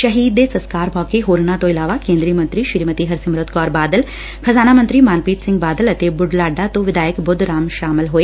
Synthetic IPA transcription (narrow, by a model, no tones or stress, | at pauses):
ʃɐɦiːd̪esɐ̃skaːɾmɔːkeɦoːɾnat̪oɪlaːʋakẽːnd̪ɾiəmɐ̃nt̪ɾiʃɪɾmət̪iɦɐɾsɪmɾʊt̪kɔːɾbaːd̪əl | kʰɐzaːnamɐ̃nt̪ɾimaːnpiːʈsɪ̃ŋɡ̚baːd̪əlɐt̪ebʊɖlaːɖat̪oʋɪd̪ʱaːjəkbʊd̪ʱɾaːmʃaːmɪlɦoːeː